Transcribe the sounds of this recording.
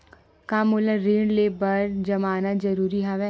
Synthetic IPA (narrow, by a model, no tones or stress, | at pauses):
kaːmʊləɾeːɳlebɐɾd͡ʒɐmaːnazɐɾuːɾiɦaʋɛ